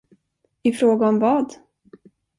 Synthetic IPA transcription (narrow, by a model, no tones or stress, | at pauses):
ɪfɾoːɡaɔmvɑːd̪